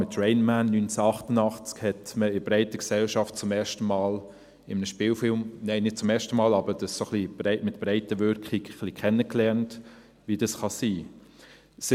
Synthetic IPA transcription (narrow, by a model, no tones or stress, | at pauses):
mɪtrɛɪnmænːynt͡səɑχtənɑχt͡skhɛtməɪbɾɛɪtəksɛlʃɑft̚t͡sʊmɛːʃtəmɑːl | ɪmənəʃpɪːlfɪlmneɪnɪd̥̚t͡sʊmɛːʃtəmɑːlɑbəd̥ɑssoχlib̥ɾɛɪtmɪtb̥ɾɛɪtəʋʏɾkχiɡχlikχɛnːəklɛnt | ʋidɑsχɑsiː | sɪ